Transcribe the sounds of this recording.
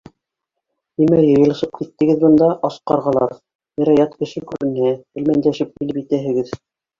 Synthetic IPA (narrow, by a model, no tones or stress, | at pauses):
imæjɤ̆jɤ̆lˠɤ̆ʃɤp̚kit̪ːɘ̆ɡɘðbɤ̆nd̪ɑʔɑsqɑɾʁɑlˠɑ̰ɾ | ɘ̆ɾæjɑt̪kɘ̆ʃɘkʉɾɘ̆næhɘ̆lmænd̪æʃɘp̚kĭlɘpit̪æɦɘ̆ɡɘð